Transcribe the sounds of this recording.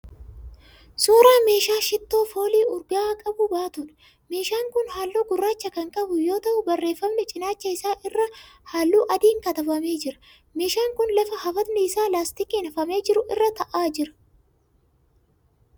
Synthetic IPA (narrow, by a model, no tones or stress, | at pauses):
suːɾaːme̞ːʃaːʃɪt̪ːo̞ːfo̞ːliːʊɾɡaaːkʼɐbʊbaːt̪ʊᶑɐ̥ | me̞ːʃaːŋkʊnhaːlːoːɡʊrːaːt͡ʃːɐkɐŋkʼɐbʊjo̞ːt̪ɐʔʊbɐrːe̞ːfːɐmnɛt͡ʃʼɪnaːt͡ʃːɐɪsaːʔɪrːɐhaːlːuːʔɐd̪iːŋkɐt̪ɐbɐme̞ːd͡ʒɪɾɐ̥ | me̞ːʃaːŋkʊnlɐfɐhɐfɐt̪nɛɪsaːlaːst̪ɪkiːnɐfɐme̞ːd͡ʒɪɾʊʔɪrːɐt̪ɐʔaːd͡ʒɪɾɐ̥